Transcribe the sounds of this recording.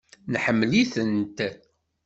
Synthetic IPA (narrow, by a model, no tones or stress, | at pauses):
nħəmːliθənt̪